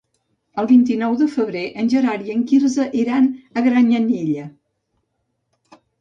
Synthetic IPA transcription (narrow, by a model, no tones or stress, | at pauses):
əlˠβint̪inɔwðəfəβɾeʔənʲʒəɾaɾiəŋkiɾzəʔiɾanəɣɾaɲaniʎə